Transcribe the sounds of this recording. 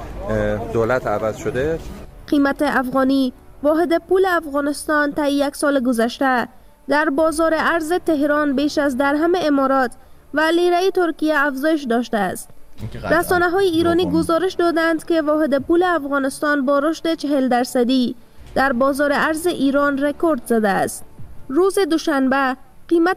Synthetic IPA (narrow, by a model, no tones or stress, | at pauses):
d̪oːlæt̪ʰævæzʃod̪eqimæt̪eʔafɣɒni | vɒːɦed̪epuleafɣɒːnest̪ɒnt̪æjijæksɒːleɡozæʃt̪æ | d̪æɾbɒːzɒːɾeʔæɾzet̪eɦɾɒnbeːʃæzd̪æɾɦameːmɒːɾɒt̪ | væliɾæjet̪oɾkijæːfzɒːjeʃ̬d̪ɒʃt̪æːst̪ɾasɒnaɦɔjeiɾɔniːɡʊzɒɾeʃd̪ɒd̪and̪kevɒɦed̪epuleafɣɔnɪst̪ɒnbɒɾoʃt̪et͡ʃeɦeld̪æɾsad̪i | d̪̥æɾbɒzɒɾeʔaɾzeʔiɾɔnɾekoɾd̪zad̪a̰ːst̪̚ɾuzed̪ʊʃanba | qima